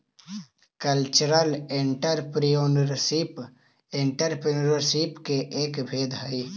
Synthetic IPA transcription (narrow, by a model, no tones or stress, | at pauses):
kəlt͡ʃɾəlɪɳʈəɾpɾijonɾsip | ɪɳʈəɾpɾɾəɾsipkeʔeːkbʱeːd̪ɦai